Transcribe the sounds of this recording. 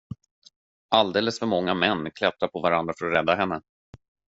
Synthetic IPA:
ʔald̪eːləsfœɾmɔŋːamɛnːkʰlɛt̪ːaɾpʰɔvaɾand̪ɾafœɾɔɾɛd̪ːaɦɛnːə

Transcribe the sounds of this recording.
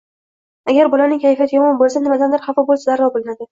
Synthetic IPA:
aɡʲaɾbɒlanɪŋʲkʰʲajfijat̪jʲɒmɒnbolˠsanɪmad̪and̪ɪɾχɑfɒbolˠsazaɾːɒbolɪnad̪ɪ

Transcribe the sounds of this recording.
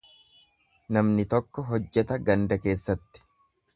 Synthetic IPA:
nɐmnɪt̪ɔkːɔɦɔd͡ʒːɛt̪ɐɡɐnd̪ɐke̞ːsːɐt̪ːɪ̥

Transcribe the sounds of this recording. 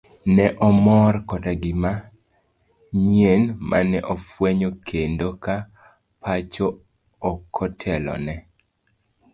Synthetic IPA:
nɛʔɔmɔrkɔdaɡɪma | ɲienmʔa̰nɛʔɔfweɲokʰendoka | pat͡ʃoː | kʰɔtʰɛlɔ̰nɛ

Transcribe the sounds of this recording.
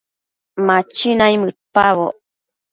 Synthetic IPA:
mat͡ʃinajmɨpaβo̰

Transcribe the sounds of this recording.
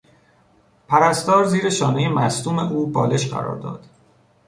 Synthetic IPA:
pʰæɾæst̪ɒːɾziːɾeʃɒːnejemæst̪uːme̞̰ʔuːbɒːle̞ʃɢæ̰ɾɒ̰ːɾd̪ɒ̰ːd̪̥

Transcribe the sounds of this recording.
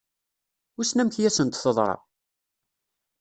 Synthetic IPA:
ʊsnæmçjæsənt̪θəðˤɾˤɑ̰

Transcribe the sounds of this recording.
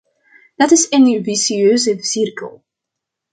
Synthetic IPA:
d̥ɑtɪsɪnyvisiøːzəsɪrkə̰lˠ

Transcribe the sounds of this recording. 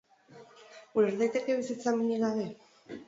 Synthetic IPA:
uɾeɾðajt̪e̞ke̞βisit͡samiɲiɣaβe̞

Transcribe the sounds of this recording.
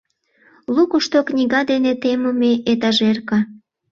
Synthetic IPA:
lukuʃt̪oknʲiɣɑd̪enet̪eməmeʔet̪̬ɑʒerkɑ

